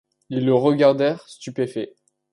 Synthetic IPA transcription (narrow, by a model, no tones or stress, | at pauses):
ilːəʁəɡaʁd̪ɛʁst̪ypefɛ